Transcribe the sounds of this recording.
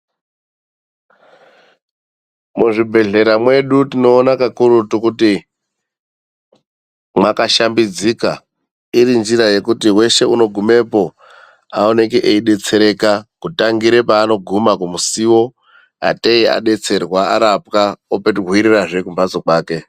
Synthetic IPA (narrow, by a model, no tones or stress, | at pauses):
muʐibʱe̞ɮe̞ɾamwe̞ɗutino̞ːnakakuɾutukuti | mwakaʃambid͡zika | iɾind͡ʒiɾaje̞kutiwe̞ʃe̞uno̞ɡʱume̞po̞ | ao̞ne̞kiʔeiɗe̞t͡se̞ɾe̞kakutaŋɡiɾe̞paːno̞ɡʱumakumusiwo̞ | a̰teia̰ɗe̞t͡se̞rwaaɾap̚kaopetɦwiɾiraʐe̞kumbat͡sokwaːke̞